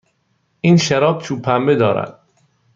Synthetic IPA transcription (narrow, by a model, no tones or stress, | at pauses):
ʔiːnʃaɾɒːb̚t͡ʃʰuːpʰːæmbed̪ɒːɾæ̰d̪̥̚